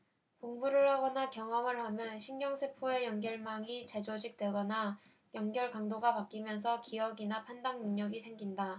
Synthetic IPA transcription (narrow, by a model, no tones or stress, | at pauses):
koŋmuɾɯɭɦaɡʌnakjʌŋʌŋɯɭhamjʌnɕʰinɲʌŋsʰepʰoe̞jʌŋɡjʌɭmaŋit͡ɕe̞d͡ʑod͡ʑik̚t͈we̞ɡʌna | jʌŋɡjʌɭkaŋdoɡapak͈imjʌns̬ʰʌkiʌɡinapʰandaŋnɯŋɲʌɡisʰe̞ŋɡinda